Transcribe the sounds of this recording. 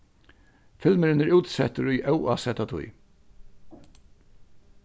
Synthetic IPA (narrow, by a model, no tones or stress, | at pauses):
fɪlməɾɪnæɹuːt̪sɛt̪əɾʊjʔɛwaːsɛt̪at̪ʰʊ̰j